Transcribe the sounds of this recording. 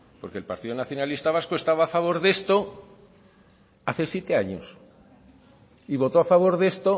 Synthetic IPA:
po̞ɾke̞lpaɾt̪iðonaθjo̞nalist̪aβ̞askoest̪aβaːfaβo̞ɾðe̞st̪o̞ | aθe̞sje̞t̪e̞aɲo̰s | iβ̞o̞t̪o̞afaβ̞o̞ɾðe̞st̪o̞

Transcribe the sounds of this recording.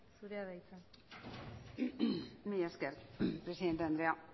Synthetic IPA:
suɾeaðajt͡san | mejaskeɾpɾesiðent̪eand̪ɾea

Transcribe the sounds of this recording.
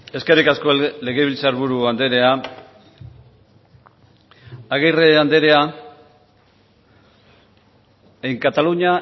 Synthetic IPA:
e̞ske̞ɾikasko̞le̞ɣeβ̞ilt͡saɾβuɾuand̪e̞ɾe̞a | aɣ̞ejreand̪e̞ɾe̞a | ejŋkat̪aluɲa

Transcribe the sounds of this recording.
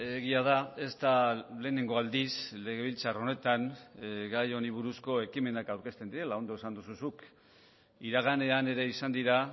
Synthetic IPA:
eɣiað̞ae̞st̪ale̞ːneŋɡo̞ald̪isle̞ɣe̞β̞ilt͡saro̞ne̞t̪anɡajo̞niβ̞uɾusko̞e̞kime̞nakawɾke̞st̪ed̪iɾe̞lao̞nd̪oesand̪ususuk | iɾaɣ̞ane̞ane̞ɾe̞isand̪iɾa

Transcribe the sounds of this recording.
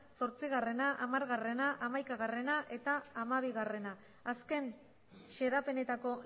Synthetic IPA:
so̞ɾt͡siɣare̞naʔamaɾɣare̞naʔamajkaɣare̞naʔe̞t̪aːmaβ̞iɣare̞naː | ske̞n | ʃe̞ðape̞ne̞t̪ako̞

